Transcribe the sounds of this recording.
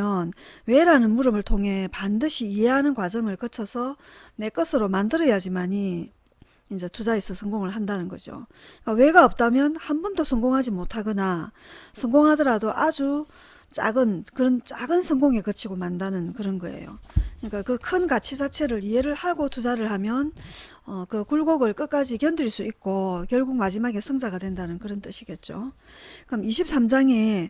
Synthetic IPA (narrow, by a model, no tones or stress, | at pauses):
jʌnwe̞ɾanɯnmuɾɯmɯɭtʰoŋɦe̞pandɯɕʰiːɦeɦanɯnkwad͡ʑʌŋɯɭkʌt͡ɕʰʌsʰʌne̞k͈ʌsʰɯɾomandɯɾʌjad͡ʑimaɲi | ind͡ʑetud͡ʑais͈ʰʌsʰʌŋɡoŋɯɭɦandanɯnɡʌd͡ʑo̰ik͈awe̞ɡaʌp̚t͈amjʌnhanbʌndosʰʌŋɡoŋɦad͡ʑimotʰaɡɯna | sʰʌŋɡoŋɦadʌɾadoʔad͡ʑu | t͡ɕ͈a̰ɡɯnkɯɾʌnt͡ɕ͈aɡɯnsʰʌŋɡoŋe̞kɯt͡ɕʰiɡomandanɯnkɯɾʌnɡʌe̞̰jo̰kɯɲik͈akɯkʰɯnkat͡ɕʰisʰat͡ɕʰe̞ɾɯɭiɦe̞ɾɯɭhaɡotud͡ʑaɾɯɭhamjʌn | ʌkɯkuɭɡoɡɯɭk͈ɯk͈ad͡ʑikjʌndɯiɭs͈uik̚k͈okjʌɭɡuk̚mad͡ʑimaɡe̞sʰʌŋd͡ʑaɡadwe̞ndanɯnkɯɾʌnt͈ɯɕʰiɡe̞t̚t͡ɕ͈okɯʌmiɕʰip̚s͈amd͡ʑaŋe̞